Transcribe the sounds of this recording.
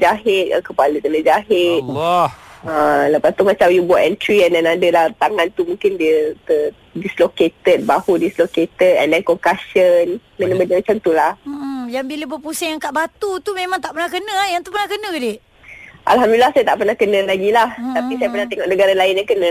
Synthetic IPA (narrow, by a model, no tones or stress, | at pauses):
d͡ʒaɦɪt̪̚əkəpaləkənə̃d͡ʒaɦɪt̪̚ | ələpast̪umat͡ʃamjubaʔɛntɾiɛndɛnadəlaht̪aŋant̪umũŋkɪndiət̪ə | disloket̪ət̪̚bahudisloket̪ət̪̚ɛ̰ndɛnkɔŋkasənkənə̃bənəmat͡ʃamt̪ulahm̩ʔ̩jaŋbiləbəpusajaŋkaʔbat̪ut̪umẽmãŋt̪aʔpərnahkənə̃ajaŋt̪upərnahkənə̃dɪ | ʔa̰lɦamdulilahsajat̪a̰ʔpərnahkənə̃laɡilaht̪apisajapərnaht̪eŋɔʔnəɡaɾalaɪnjaŋkənə̃